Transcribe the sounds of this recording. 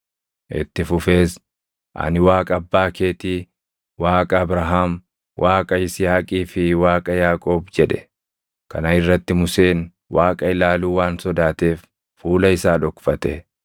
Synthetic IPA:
ʔɪ̰t̪ːɪfʊfe̞ːs | ʔɐ̰nɪwaːkʼɐɐbːaːke̞ːt̪iː | waːkʼɐːbɾɐɦaːm | wʔaːkʼɐɪsɪhaːkʼiːfɪwaːkʼɐjaːkʼo̞ːbd͡ʒɛᶑɛ̥ | kɐ̰nɐɪrːɐt̪ːɪmʊse̞ːn | waːkʼɐɪlaːluːwaːnsɔd̪aːt̪e̞ːfː | uːlɐɪsaːᶑɔkfɐt̪ɛ

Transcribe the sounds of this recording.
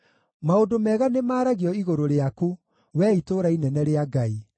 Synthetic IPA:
maondomɛːɣanemaːɾaɣiɔiɣoɾoɾeaku | wɛitoːɾainɛnɛɾeaɡai

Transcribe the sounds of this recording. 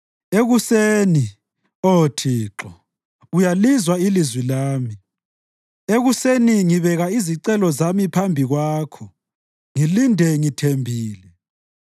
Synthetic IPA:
eɣuseːni | otʰiːǁɔ | ujalizwailizwilaːmi | eɣuseniŋiβɛɣaiziǀɛlɔzamipʰambʱiɣwaːkʰɔ | ŋilindʱɛŋitʰembʱiːlɛ

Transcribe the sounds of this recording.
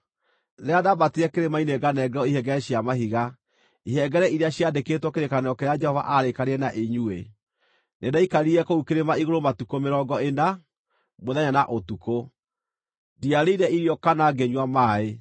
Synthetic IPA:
ðeaðabateɾɛkeɾemaineɡanɛɡɛɾɔiɦɛɡɛɾɛɕjamaɦiɣa | iɦɛɡɛɾɛʔiɾeaɕjadeketwɔkeɾekaneɔkeɾead͡ʒɛhɔva̰ʔaɾekaɾeɛnaʔeɲue | nedaikaɾiɛkoukeɾemaiɣoɾomatukomeɾɔːɡɔena | moðɛɲanaʔotuko | diaɾeiɾɛiɾjɔkanaɡeɲwamaːe

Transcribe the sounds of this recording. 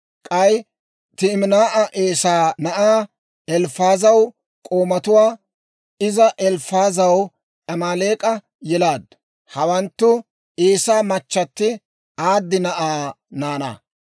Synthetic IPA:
kʼɐj | t̪ɪmnaːʔɐʔeːsaːnɐʔaː | ɛlfaːzɐw | kʼoːmɐt̪ʊwaː | ɪzɐʔɛlfaːzɐw | ʔɐmaːleːkʼɐ | jɛlaːd̪ | hɐwɐnt̪ːʊ | eːsaːmɐt͡ʃːɐt̪ːɪ | aːd̪ːɪnɐʔaː | naːnɐ̰

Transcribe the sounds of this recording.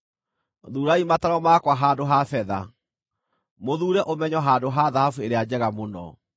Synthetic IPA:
ðuːɾaimataɾɔmaːkwaɦaːdoɦafɛða̰ | moðuːɾɛʔomɛɲɔɦaːndoɦaðahafueɾead͡ʑɛɣamonɔ̰

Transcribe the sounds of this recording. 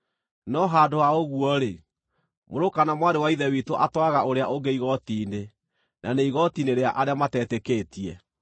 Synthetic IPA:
nɔɦaːdoaoɣuɔɾe | moɾokanamwaɾewaiðɛwitoʔatwaɣaoɾeaʔoɡeiɣɔtiːne | nʔaneiɣɔtineɾeaʔaɾeamatɛːtekeːtiɛ

